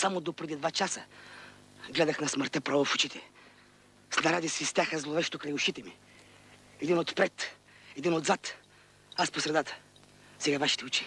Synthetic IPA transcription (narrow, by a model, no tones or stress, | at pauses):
samod̪opɾɛd̪id̪vat͡ʃasə | ɡlɛd̪ɐxnɐsməɾt̪ɛpɾavofut͡ʃit̪ɛ | sd̪aɾad̪isvist̪ʲjaxəzlˠovɛʃt̪okɾajʊʃit̪ɛmi | ɛd̪inot̪pɾɛt̪ | ɛd̪inod̪zat̪ | asposɾɛd̪at̪ə̥ | sɛɡavaʃi̥t̪ɛut͡ʃi̥